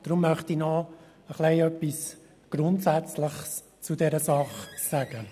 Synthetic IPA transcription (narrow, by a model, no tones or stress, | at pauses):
d̥ɾʊmːœχtinɔ | əχlɛɪœpːis | ɡ̥ɾʊntsæt͡sləχs | t͡sudɛɾəsɑχsæɡ̥ə